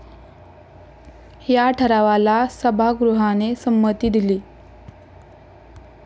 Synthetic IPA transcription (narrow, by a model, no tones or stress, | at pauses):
hjaʈʰəɾaʋalasəbʱaɡɾuɦanesəmːət̪iːd̪iliː